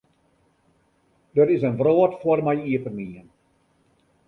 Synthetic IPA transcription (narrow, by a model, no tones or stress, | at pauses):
dəɾɪsənʋroːtfoərmɛjiəpərniən